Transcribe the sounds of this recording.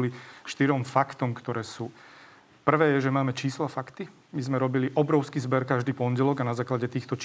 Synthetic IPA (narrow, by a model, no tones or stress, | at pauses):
liʃt̪iɾɔmfakt̪ɔmkt̪ɔɾɛːsuː | pr̩ʋɛːjɛʒɛmaːmɛt͡ʃiːslafakt̪i | mizmɛɾɔbiliʔɔbɾɔʊskiːzbɛɾkaʒd̪iːpɔɲɟɛlɔɡanazaːklaɟɛt̪iːxt̪ɔt͡ʃ